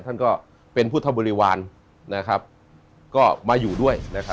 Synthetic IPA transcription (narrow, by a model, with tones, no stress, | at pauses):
t̪ʰa˥˩nkɔː˥˩ | pe˧npʰu˥˩t̪ʰa˥˩bɔː˧ɾiː˦˧waː˧n | na˦˥kʰɾa˦˥p̚ | kɔː˥˩maː˧juː˨˩du˥˩əjna˦˥kʰa˦˥